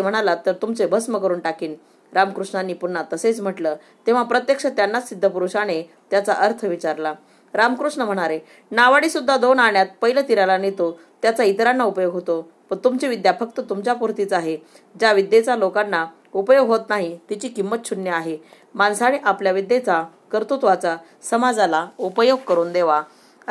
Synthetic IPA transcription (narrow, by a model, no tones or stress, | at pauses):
m̤əɽ̃alat̪əɾt̪umt͡sebʱəsməkəɾuːnʈakiːn | ɾamkɾuʂɳanːiːpunːat̪əset͡sm̤əʈlə | t̪eʋ̤apɾət̪jəkʂət̪janːasid̪ʱːəpuɾuɕaɽe | t̪jat͡saʔəɾt̪ʰəʋit͡ɕaɾla | ɾamkɾuʂɳəm̤əɽ̃aɾe | naʋaɽiːsud̪ʱːad̪onaɳjat̪̚pəɦilət̪iɾalanet̪o | t̪jat͡sait̪ɾanːaupəjoɡɦot̪o | pəɳt̪umt͡ɕiʋid̪jafək̚t̪ət̪umt͡ɕjapuɾt̪it͡saɦe | d͡ʑaʋid̪ːjet͡salokanːa | upəjoɡɦot̪naɦit̪it͡ɕiːkimːət̪̚t͡ɕʰunːjəaɦe | mansaɽ̃iʔapljaʋid̪jet͡sakəɾt̪ut̪ʋat͡sa | səmad͡zalaupəjoɡ̚kəɾuːnd̪eʋa